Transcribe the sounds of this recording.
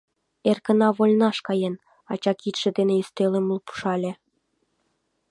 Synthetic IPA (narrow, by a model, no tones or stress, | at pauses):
erkə̆nɑβolʲnɑʃkɑjen | ɑt͡ɕɑkit̪ʃĕd̪enĕyst̪elĕmulpu̥ʃɑlʲĕ